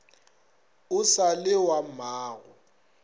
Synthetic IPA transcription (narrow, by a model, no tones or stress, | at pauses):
ʊsalɪwamaːɣɔ